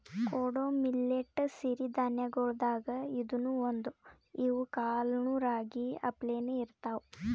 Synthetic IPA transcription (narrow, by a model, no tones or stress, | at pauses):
koːɽomilːeʈːsiɾid̪ʱanjɐɡoɭd̪aːɡɐid̪unuond̪u | iʋukaːlnuɾaːɡiɐ̰pleːnuiɾt̪aːwu